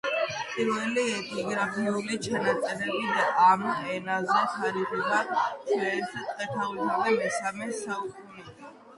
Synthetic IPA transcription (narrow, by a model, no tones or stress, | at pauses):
pʼiɾvɛliɛt̪ʼnɔɡɾapʰiulit͡ʃʰanat̪sʼɛɾɛbid̪aʔamɛnazɛtʰaɾiʁubaʃʰɛɛt̪ʰat̪ʼd̪at̪ʰavit̪ʰalamɛsamɛsaukʰʼunɛd̪a